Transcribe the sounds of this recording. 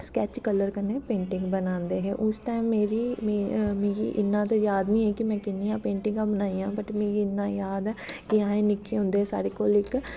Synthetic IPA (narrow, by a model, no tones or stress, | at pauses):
skɛːt͡ʃkələɾkəneːpẽːɳʈɪ̃ŋɡbənãːnd̪eːɦɛ̰ːʔʊsʈaːɪmːeːɾiːmemẽːɡḭːʔɪnːãːt̪̬ejaːd̪nĩːɛːkɪmɛ̃ːkɪnːijãːpeːɳʈɪ̃ŋɡãːbənaːiːãːbəʈmẽːɡiɪnːãːjaːd̪ɛːkɪãːẽːnɪkːiɦʊ̃ːnd̪eːɦɛsa̰ːɾekoːlɪk